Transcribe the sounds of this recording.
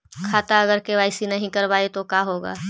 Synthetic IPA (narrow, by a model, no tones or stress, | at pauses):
kʰaːt̪aɐɡəɾkeʋaːɪsinɐɦĩkɐɾbaːet̪okaːɦoːɡa̰ː